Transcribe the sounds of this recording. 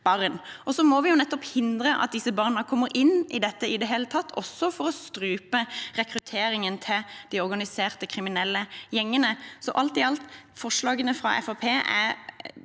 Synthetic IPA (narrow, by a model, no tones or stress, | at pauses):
b̥ɑʁnʔɔsɔmɔʋɪjʊnɛt̪ːɔphɪnd̪ɾəʔɑ̰t̪̚d̪ɪsəbɑʁnəkʰɔmːəɾɪnːʔɪd̪ɛt̪ːəɪd̪ɛɦeːlət̪ʰɑt̪ːʰɔsːɔfɔɾɔst̪ɾʉːpəʁɛkɾʉt̪ʰeːɾɪŋənt̪ʰɪld̪̥iɔɾɡɑnɪseːʁt̪əkʰɾɪmɪnɛlːəjɛŋːənəsɔʔɑlt̪ɪɑlt̪fɔʂlɑːɡənəfɾɑ̰ʔɛ̰fɑpʰeːʔæ̰